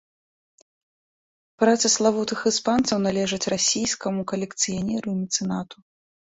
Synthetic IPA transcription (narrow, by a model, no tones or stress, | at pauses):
pɾat̪sɐslˠavut̪ɨxɨspant̪sɐwnalʲɛʐɐt͡sʲrasʲijskɐmukɐlʲɛkt̪sɨjanʲɛɾuimʲit̪sɨnat̪u̥